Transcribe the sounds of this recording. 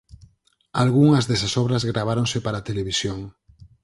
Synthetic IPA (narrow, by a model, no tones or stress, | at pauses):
alɣuŋɐzðesasɔβɾɐzɣɾaβ̞aɾõŋsepaɾat̪eleβisjoŋ